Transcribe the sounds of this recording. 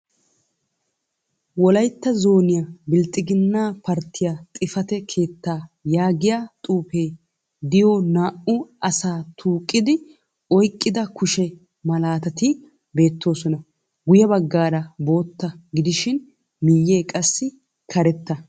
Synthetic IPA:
wɔlɐjt̪ːɐzo̞ːnɪjabɪlt̪ʼɪɡɪnːaːpɐɾt̪ʰːɪjaːt̪ʼɪfɐt̪ɛkʰe̞ːt̪ːaːjaːɡɪjaːt̪ʼuːpe̞ː | d̪ɪjoːnaːʔʊʔɐsaːt̪ʰuːkʼːɪd̪ɪ | ɔjkʼːɪd̪ɐkʊʃɛ | mɐlaːt̪ɐt̪ɪ | be̞ːt̪ːo̞ːsɔnɐ | ɡʊjɐbɐɡːaːɾɐbo̞ːt̪ːɐɡɪd̪ɪʃɪn | mɪjːe̞ːkʼɐsːɪ | kʰɐɾɛt̪ːɐ

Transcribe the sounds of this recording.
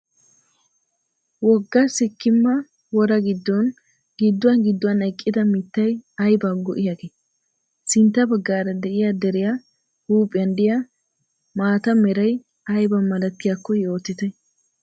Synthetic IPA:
wɔɡːɐsɪkːɪmːɐ | wɔɾɐɡɪd̪ːɔn | ɡɪd̪ːʊwɐnɡɪd̪ːʊwɐnɛkʼːɪd̪ɐmɪt̪ːɐjɐjbaːɡɔʔɪjaɡe | sɪnt̪ːɐbɐɡːaːɾɐd̪ɛʔɪjad̪ɛɾɪja | huːpʼɪjɐnd̪ɪja | maːt̪ɐmɛɾɐj | ɐjbɐmɐlɐt̪ːɪjakːɔjo̞ːt̪ːɪt̪ɛ

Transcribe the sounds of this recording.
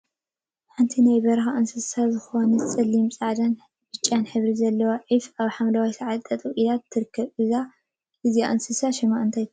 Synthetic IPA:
ħɨnt̪ʰinajbɐɾxaʔɨnsɨsazɨxo̞nɐt͡sʼɐlːimsʼaʕd̪an | bɨt͡ʃʼːanħɨβɾizɐlːɐwoʕifaβħamlɐwajsaʕat̪ʼːɐt̪ʼuʔid̪at̪ʰːɨɾɨkʰːɐβɨza | ɨzijaʔɨnsɨsaʃɐmaʔɨnt̪ʰaj̪

